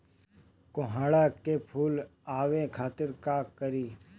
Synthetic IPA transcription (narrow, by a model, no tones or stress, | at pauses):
kʊɦaːɽakepʰuːlaːʋekʰaːt̪ɪɾkakɐɾiː